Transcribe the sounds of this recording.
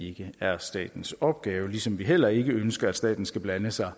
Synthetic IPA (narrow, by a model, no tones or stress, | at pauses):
e̝ɡ̥əæɐsd̥ɛ̰ːd̥n̩sɒ̽b̥ɡ̥ɛːʊəlisɒ̽mʋiɦel̰ɐe̝ɡ̥əønsɡ̥ɐæd̥sd̥ɛ̰ːd̥n̩sɡ̥æb̥lænəsɑ̈ɪ